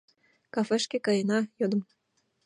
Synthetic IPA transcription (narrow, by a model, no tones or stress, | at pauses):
kɑfeʃkĕkɑjɤnɑjod̪ɤ̆m